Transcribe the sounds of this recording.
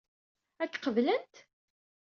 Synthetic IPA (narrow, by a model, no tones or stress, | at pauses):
ækːqəvlənt̪